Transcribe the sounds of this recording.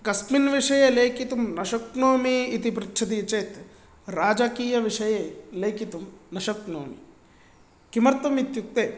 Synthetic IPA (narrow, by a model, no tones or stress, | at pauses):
kɐsminʋiʂɐjeleːkit̪umnɐʃɐknoːmiːt̪ipɾit̪ːʃʰɐt̪̬iːt͡ʃeːt̪ | ɾaːd͡ʒakiːjɐʋiʂɐjeːleːkit̪umnɐʃɐkno̰ːmḭ | kimɐɾt̪ɐmit̪juk̚t̪eː